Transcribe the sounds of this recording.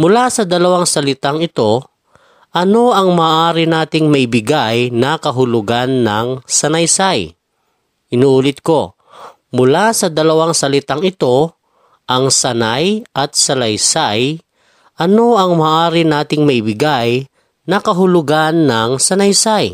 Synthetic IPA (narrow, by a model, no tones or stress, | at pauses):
mʊlasɐd̪ɐlɐwaŋsɐlɪt̪aŋɪt̪o̞ | ʔɐno̞ʔɐŋmaʔaːɾɪnaːt̪ɪŋmɐʔɪbɪɡajnɐkɐɦʊlʊɡanːɐŋsɐnajsaj | ʔɪnuːʔuːlɪt̪̚ko̞ | mʊlasɐd̪ɐlɐwaŋsɐlɪt̪aŋɪt̪o̞ | ʔɐŋsɐnajʔɐt̪̚sɐlɐjsaj | ʔɐno̞ɐŋmaːʔaːɾɪnaːt̪ɪŋmɐʔɪbɪɡaj | nɐkɐɦʊlʊɡanːɐŋsɐnɐjsaj